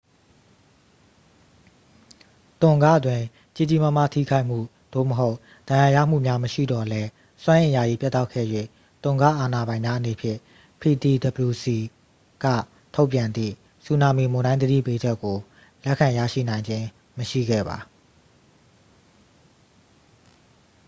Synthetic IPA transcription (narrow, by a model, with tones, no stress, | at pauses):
t̪ʊ̃˨ŋɡä̰˦˨dwɪ̃˨ | t͡ɕi˦˨d͡ʑi˦˨mə˦ma̰˦˨tʰḭ˦˨kʰa˦ɪʔm̥ṵ˦˨ | d̪̥o̰˦˨məɦo˦ʊʔ | d̥̪ã˨ja˨jä̰˦˨m̥ṵ˦˨mja˦məʃḭ˦˨dɔ˨lɛ˦ | swã˦ʔɪ̃˨ja˨ʔi˨pjɛ˦t̪ːa˦ʊkʰɛ̰˦˨jwḛ˦˨ | t̪ʊ̃˨ŋɡa̰˦˨ʔa˨na˨bã˨ɪ̃mja˦ʔəne˨pʰjɪ̰̃˦˨ | pʰi˨t̪i˨d̪ə˨bəɹu˨si˨ | ɡ̥ä̰˦˨ | tʰo˦ʊpjã˨nd̪ðḭ˦˨ | su˨na˨mi˨mʊ̃˨ndã˦ɪ̃d̪ədḭ˦˨pe˦d͡ʑɛ˦kːo˨ | lɛ˦ʔkʰã˨jä̰˦˨ʃḭ˦˨nã˨ɪ̃ɲd͡ʑɪ̃˦ | məʃḭ˦˨ɡɛ̰˦˨ba̰˨